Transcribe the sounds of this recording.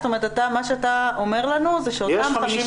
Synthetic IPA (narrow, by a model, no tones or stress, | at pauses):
st̪ome̞ʁet̪at̪amaʃeat̪aome̞ʁlanuzeʃeotamamiʃ